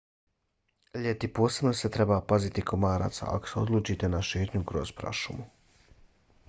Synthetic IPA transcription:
ʎet̪ipo̞ːse̞bno̞se̞t̪ɾe̞bapazit̪ikʰomaːɾa̰ːt̪sa̰a̰koseo̞̰d̪lˠuːt͡ʃit̪e̞naʃe̞ːt̪ɲukɾozpɾa̰ʃumu

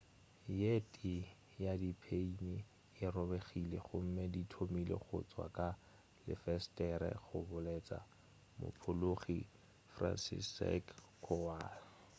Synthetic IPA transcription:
jetʼi | jadipʰeini | ɪrɔbeχileχʊm̩meditʰomilḛχʊ̰t͡sʼwa̰kʼa | lɪ̰fɛstʼɛɾɛ̰χʊbʊleːt͡sʼa̰ | mʊ̰pʰʊloχi | fra̰nsḭsɛ̰k | kʰɔaːl

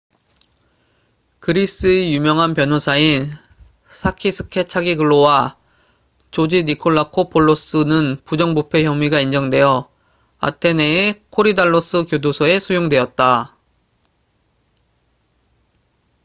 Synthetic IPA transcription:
kɯɾis͈ɯejumjʌŋɦanpjʌnɦosʰain | sʰakʰisʰɯ̥kʰe̞t͡ɕʰaɡiɡɯɭːowa | t͡ɕod͡ʑinikʰoɭːakʰopʰoɭːos͈ɯnɯnpud͡ʑʌŋbupʰe̞çjʌmwiɡaind͡ʑʌŋdwe̞jʌ | a̰tʰe̞ne̞ːkʰoɾidaɭːos͈ɯkjodosʰʌe̞sʰujoŋdwe̞ʌt̚t͈a

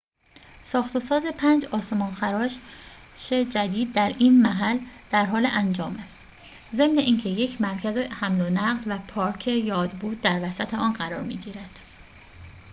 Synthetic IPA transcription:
sɒːxt̪ʰo̞sɒːze̞pʰænd͡ʒɒːsemɒːnxæɾɒːʃ | ʃed͡ʒæd̪iːd̪̚ːæɾiːnmæɦæld̪̥æɾɦɒːleʔænd͡ʒɒːmæst̪ | ze̞mneʔiːncʰe̞je̞cʰmæɾcʰæze̞hæmlonæɢlvæpʰɒːɾcʰe̞jɒːd̪buːd̪̚ːæɾvæsæt̪ʰeɒːnɢæɾɒ̰ːɾmḭːɟiːɾæd̪̥

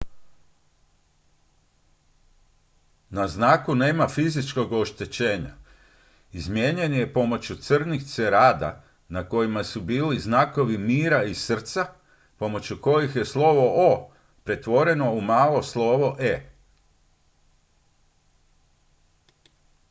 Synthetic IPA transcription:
naznaːkuneːmafizit͡ʃko̞ɡo̞ʃt̪e̞t͡ɕe̞ːɲa̰ | izmjeɲe̞nije̞po̞mo̞t͡ɕut̪sr̩nixt̪seɾaːd̪a̰ | nako̞jimasubiːliznaːko̞ʋimiːɾaisr̩t̪sa | po̞mo̞t͡ɕuko̞jixje̞slˠo̞ʋo̞ʔo | pɾe̞t̪ʋo̞ɾe̞no̞umaːlo̞slˠo̞ʋo̞ʔe

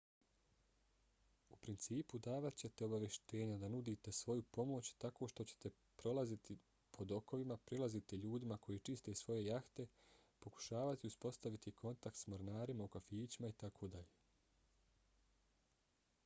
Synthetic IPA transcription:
upɾint̪siːpud̪aːʋat̪t͡ɕe̞t̪e̞o̞baʋje̞ʃt̪e̞ːɲad̪anud̪iːt̪e̞sʋo̞jupo̞mo̞ːt͡ɕt̪ako̞ːʃt̪o̞t͡ɕe̥t̪e̞ | pɾo̞lˠazit̪i | pʰo̞d̪o̞ko̞ʋimapɾilˠazit̪iʎuːd̪imako̞jiːt͡ʃist̪e̞sʋo̞je̞jaxt̪e̞po̞ku̥ʃaːʋat̪iuspo̞st̪aʋit̪ikʰo̞nt̪ak̚t̪smo̞ɾnaːɾimaukafiːt͡ɕimait̪akʰo̞ːd̪aʎeː

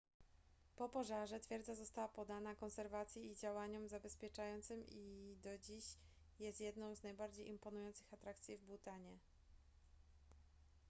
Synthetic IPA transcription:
pɔpɔʐaʐɛt̪fʲjɛɾd̪zazɔst̪awapɔd̪anakɔnsɛɾvat̪sʲjiid͡ʑawaɲɔmzabɛspʲjɛt͡ʂajɔnt̪sɘmid̪ɔd͡ʑiɕ | jɛst̪jɛd̪nɔ̃w̃znajbaɾd͡ʑejʔimpɔnujɔnt̪sɘ̥xat̪ɾakt̪sʲjivbut̪aɲɛ

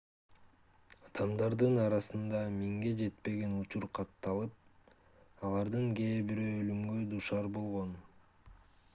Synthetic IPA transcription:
ɑd̪ɑmd̪ɑɾd̪ɯnɑɾɑsɯnd̪ɑmiŋɡe̞d͡ʒe̞t̪pe̞ɡe̞nut͡ʃuɾqʰɑt̪ːɑlˠɯp̚ | ɑlˠɑɾd̪ɯŋɡe̞ːbiɾøølymɡød̪uʃɑɾbo̞lˠʁo̞n

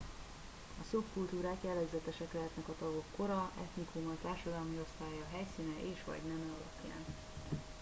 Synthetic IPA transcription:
ɒsopkult̪uːɾaːkjɛlːɛɡzɛt̪ɛʃɛklɛɦɛt̪nɛkɒt̪ɒɡo̞kːo̞ɾɒʔɛt̪nikumɒlt̪aːrʃɒd̪ɒlmio̞st̪aːjɒɦɛjsiːnɛʔeːʃʋɒ̰ɟnɛmɛɒlɒpja̰ːn

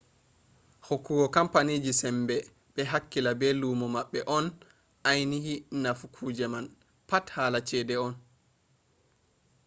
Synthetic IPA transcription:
hokːuɡɔkampaniːd͡ʒisɛmbɛ | ɓɛɦakːilabɛlumɔmaɓːɛʔɔn | ʔajnihinafukʰuːd͡ʒɛman | pathaːlat͡ʃɛːdɛɔn

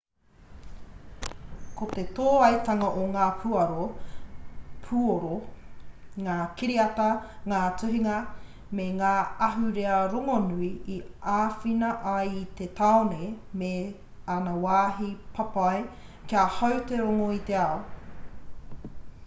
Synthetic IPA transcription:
kot̪et̪oːɐjt̪ɐŋɐʔoŋaːpʰuɐɾo | pʰuoɾo | ŋaːkiɾiɐt̪ɐŋaːt͡sʉɦiŋɐ | meŋaːɐɦʉɾeɐɾoŋonuiiaːfinɐʔɐjit̪et̪aonejme | anɐwaːɦipʰɐpɐjkiahɐwt̪eɾoŋoit̪e̞ao

